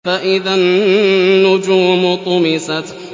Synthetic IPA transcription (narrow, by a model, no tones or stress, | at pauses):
faʔɪðanː | ʊd͡ʒuːmʊt̪ˤʊmɪsat